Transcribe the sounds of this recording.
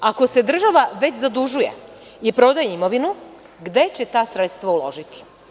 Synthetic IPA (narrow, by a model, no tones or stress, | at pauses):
ako̞se̞d̪r̩ʒaʋaʋe̞t͡ɕzad̪uʒuje̞̰ | ipɾo̞d̪ajeimo̞ʋinu | ɡd̪e̞t͡ɕe̞t̪aːsɾet̪st̪ʋaulo̞̰ʒit̪i̥